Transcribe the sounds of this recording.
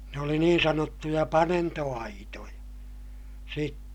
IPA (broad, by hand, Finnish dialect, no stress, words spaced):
ne oli niːn sɑnotːujɑ pɑnentoɑitojɑ sitːe